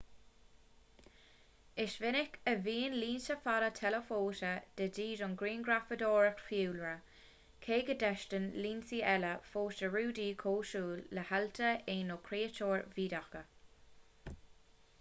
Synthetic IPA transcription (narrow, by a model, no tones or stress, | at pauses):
ɪʃvɪnɪkəviːnliːnsəfaɾət̪ʰɛləfoːtəd̥ədiːdʊnɡɾiːnɡɹafədɔːɹəxfiːlɹə | kʰeːɡədɛʃtənliːnsiːɛləfoːʃəɹuːdiːkʰoːʃuːlːəhaltʰəeːnoːkʰɾeːətʰoːɹviːdaxkə